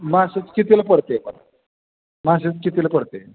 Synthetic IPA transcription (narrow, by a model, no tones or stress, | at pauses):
maɕet͡skit̪ilapəɽt̪epə̰n | maɕ̬et͡skit̪ilapəɽt̪e